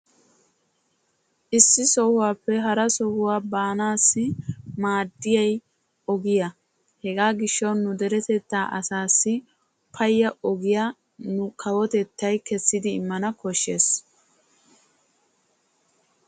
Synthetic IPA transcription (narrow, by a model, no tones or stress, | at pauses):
ʔɪsːɪsɔhʊwaːpːɛɦɐɾɐsɔhʊwaːbaːnaːsːɪmaːd̪ːɪjɐj | ɔɡɪjɐ | hɛɡaːɡɪʃːɐwnːʊd̪ɛɾɛt̪ɛt̪ːaːʔɐsaːsːɪ | pʰɐjːɐʔɔɡɪja | nʊkʰɐwɔt̪ɛt̪ːɐjkɛsːɪd̪ɪːmːɐnɐkɔʃːeːs